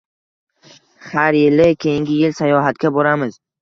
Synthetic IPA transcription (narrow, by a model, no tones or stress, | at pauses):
haɾjɪlɪkʲʰejɪŋɡʲɪjɪlsajɒɦat̪kʲabɒɾamɪz̥